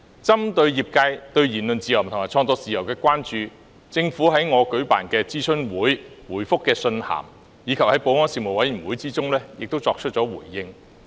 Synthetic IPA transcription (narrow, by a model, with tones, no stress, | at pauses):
t͡sɐ˥mt̪ɵ˧ɥjiː˨˩p̚kaː˧jt̪ɵ˧ɥjiː˨˩nlɵ˨nt͡siː˧jɐ˨˩wm̩˨˩t̪ʊ˨˩ŋ˨a˨˩t͡ʃʰɔː˧ŋt͡sɔː˧t͡siː˨jɐ˨˩wkɛː˧kʷwaː˥nt͡ʃyː˧ | t͡sɪ˧ŋfuː˨˥ɦɐ˨˥jŋɔː˨˧kɵ˨˥ɥpa̰ː˨˩nkɛː˧t͡siː˥sʰɵ˥nwuː˨˥j | wuː˨˩jfʊ˥kːɛː˧sɵ˧nha̰ː˨˩m | jiː˨˧kʰɐ˨p̚hɐ˨˥jpo˨˥wŋɔː˥nsiː˧mo˨˩wɐ˨˥jy˨˩wuː˨˥jt͡siː˥t͡sʊ˥ŋlɛː˥jɪ̰˨k̚t̪o˥wt͡sɔː˧k̚ʰɵ˥t̚t͡ʃɔː˨˥wṵː˨˩jːɪ˧ŋ